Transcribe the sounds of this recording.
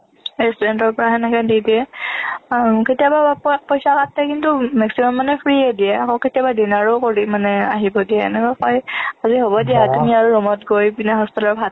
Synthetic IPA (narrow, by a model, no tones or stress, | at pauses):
ɹɛstɔɹɛntɔɹpɔɹaɦɛnɛkɛdidiɛ | ketijabapɔjsakatɛkintumɛksimɔmːanɛpʰɹiɛdiɛakɔketijabadinaɹokoɹimanɛaɦibɔdiɛ̰ːnɛkɔjxɔjaziɦobɔdijatumiaɹuɹɔmɔtɡojbinɛɦɔstɔlɔɹbʱad̚